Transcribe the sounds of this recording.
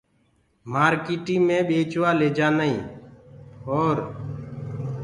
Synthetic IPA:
maːɾkiːʈĩːmẽːɓeːt͡ʃʋaːleːd͡ʒaːnəĩː | oːɾ

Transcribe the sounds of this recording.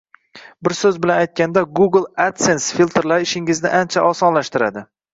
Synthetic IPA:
bɪɾsɵzbɪlanajt̪̚kʲand̪aɡuɡlˠat̪sensfilʲˠt̪ʰeɾlaɾɪʃɪŋɪznɪʔant͡ʃʰaʔɒsɒnlaʃt̪ɪɾad̪ɪ

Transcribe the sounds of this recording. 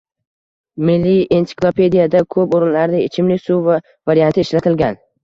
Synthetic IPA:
mɪlːiensɪ̥klˠopʰe̞d̪ijad̪akʰɵpoɾɪnlaɾnɪet͡ʃʰɪmlɪsuva | vaɾijant̪ɪːʃlat̪ʰɪlɡʲan

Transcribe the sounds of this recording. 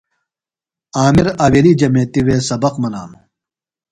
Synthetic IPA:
aːmiɾaːweliːd͡ʑɐmeːt̪iweːsɐbɐqmɐnaːnu

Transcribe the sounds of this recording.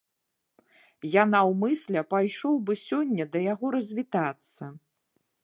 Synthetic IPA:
janawmɨsʲlʲɐpajʂɔwbɨsʲɔnʲːɐd̪ɐjaɣɔɾɐzʲvʲit̪at̪sːɐ

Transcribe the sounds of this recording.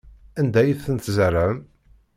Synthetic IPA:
ænd̪æjiθθənt̪zərːəm

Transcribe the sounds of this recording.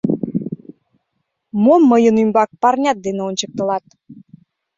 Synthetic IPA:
momːəjənymbɑk̚pɑrnʲɑt̪̚d̪eneonʲt͡ɕək̚t̪ə̆lɑt̪̚

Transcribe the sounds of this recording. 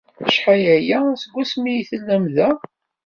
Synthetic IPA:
əʃħajæjæsəɡʷːæsmijiθəlːæmðæ

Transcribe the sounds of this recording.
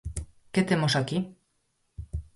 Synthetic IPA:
ket̪emosaki

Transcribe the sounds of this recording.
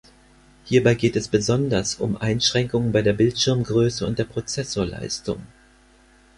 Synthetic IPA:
hiːɐbaɪɡeːtɛsb̥əzɔndɐsʊmʔaɪnʃʁ̥ɛŋkʊŋənbaɪdeːɐbɪltʃɪɐmɡʁøːsəʊ̰ntd̥eːɐpʁ̥ot͡sɛsoːɐla̰ɪstʊ̰ŋ

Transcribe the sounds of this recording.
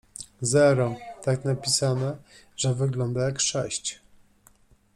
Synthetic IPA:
zɛɾɔt̪aknapʲisanɛ | ʐɛvɘɡlɔnd̪ajakʂɛɕt͡ɕ

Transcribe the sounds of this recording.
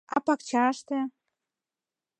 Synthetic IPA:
ɑpɑkt͡ɕɑʃt̪ĕ

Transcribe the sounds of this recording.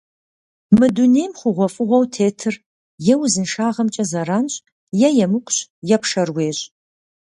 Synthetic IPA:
mɨduneːjmχʷʊʁʷɔfʼɨʁʷɔwtʰeːtʰɨr | jɛwzɨnʂaːʁɐmt͡ʃʼɐzɐɾaːnɕʼ | jɛjɛmɨkʷʼɕjɛpʂɐrweːɕʼ

